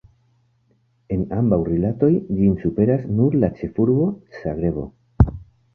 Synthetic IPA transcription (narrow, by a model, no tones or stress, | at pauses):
e̞nambawrilato̞jd͡ʒinsupe̞ɾasnuɾlat͡ʃe̞fuɾbo̞saɡɾe̞bo̞̰